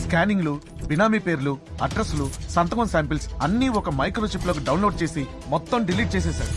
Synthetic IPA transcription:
skaːniŋɡlu | binaːmipe̞ːɾuluɐɖɾɐslusɐnt̪ɐɡɐnsaːmpilsɐnːiɔkɐmɐjkɾoːt͡ʃiploːk̬iɖɐwnloːɖ̚t͡ʃe̞ːsi | mɔt̪ːɐmɖiliːʈ̚t͡ʃɛːs̬ɛːsaːɾu

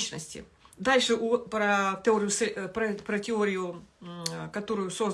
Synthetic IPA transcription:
t͡ɕnəsʲtʲɪ̰ | d̪alʲʂɨʔupɾət̪ʲɪoɾʲɪjʊspɾɐpɾətʲɪoɾʲɪjʊ | kɐt̪o̞ɾʊjʊso̞z

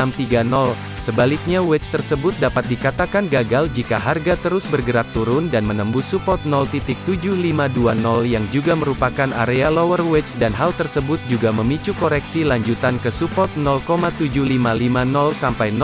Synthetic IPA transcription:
amt̪iɡanɔl | səbalɪk̚ɲawɛt͡ʃt̪ərsəbʊt̪̚dapat̪̚dikat̪akanɡaɡald͡ʒika̰ɦarɡat̪əɾʊsbərɡəɾak̚t̪uɾʊndanmənəmbuhsupɔt̪̚nɔlt̪it̪ɪk̚t̪ud͡ʒʊhlimaduanɔljaŋd͡ʒuɡaməɾupakana̰ɾealɔwərwɛt͡ʃdanɦalt̪ərsəbʊt̪̚d͡ʒuɡaməmit͡ʃukoɾɛksilaɲd͡ʒut̪ankəsupɔt̪̚nɔlkomat̪ud͡ʒʊhlimalimanɔlsampajn

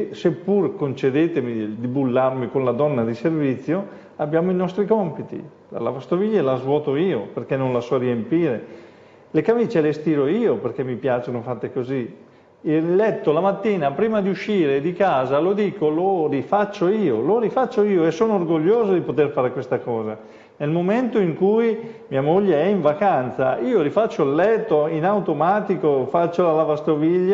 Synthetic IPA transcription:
sepːurkont͡ʃed̪eːt̪emid̪ibulːarmikonlad̪ɔnːad̪iservit̪sːjo | abjaːmoinɔst̪ɾikɔmpit̪ḭ | a̰la̰vast̪oviʎːalazvwɔːt̪oiːoperkenːõnlasɔriempiːɾe | lekamiːt͡ʃelest̪iːɾoiːoperk̟emːipjaːt͡ʃonofat̪ːekozi | ilːɛt̪ːolamat̪ːiːnapɾiːmad̪iuʃːiːɾed̪ikaːzalod̪iːkolorifat͡ʃːoiːoloɾifat͡ʃːoiːoesoːnoorɡoʎːoːzod̪ipot̪erfaːɾekwest̪akɔːza | nelmoment̪oiŋkujmiamoʎːeɛiɱvakant̪sa̰iːoɾifat͡ʃːoilːɛt̪ːoinawt̪omaːt̪ikofat͡ʃːolalavast̪oviʎːa

